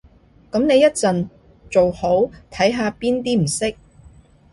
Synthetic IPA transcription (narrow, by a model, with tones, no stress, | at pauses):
kɐ˨˥mne˨˧jɐ˥t̚t͡sɐ˨n | t͡so˨who˨˥wt̪ʰɐ˨˥jɦaː˨˧piː˥nt̪̬iː˥m̩˨˩sɪ˥k̚